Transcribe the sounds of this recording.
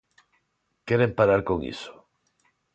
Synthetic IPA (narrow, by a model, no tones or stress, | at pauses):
keɾempaɾaɾkoŋḭso̥